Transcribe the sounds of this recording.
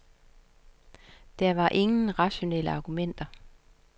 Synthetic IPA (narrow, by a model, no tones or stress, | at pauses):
d̥æɐʋɑ̈ʔe̝ŋn̩ʁɑ̈ɕo̝nḛl̰əɑ̈ːɡ̥umen̰d̥ɐ